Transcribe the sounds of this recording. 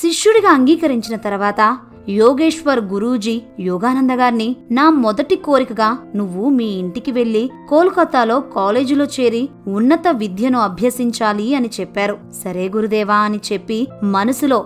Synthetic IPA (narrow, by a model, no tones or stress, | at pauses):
ʃiʂjuɽiɡaːɐŋɡiːkɐɾiɲt͡ʃinɐt̪ɐɾuʋaːt̪ɐ | jɔːɡe̞ːʂʋɐɾɡuɾuːd͡ʒijɔːɡaːnɐnd̪ɐɡaːɾninaːmɔd̪ɐʈiko̞ːɾikɐɡaːnuʋːumiːɳʈikiʋe̞ɭːikoːlukɐt̪ːaːlo̞ːkaːle̞ːd͡ʒilo̞ːt͡ʃe̞ːɾiunːɐt̪ɐʋid̪ʱjɐnuɐbʱjɐsiɲt͡ʃaːliɐnit͡ʃɛpːaːɾu | sɐɾe̞ːɡuɾud̪ɛːʋaːɐnit͡ʃe̞pːimɐnɐsulo̞ː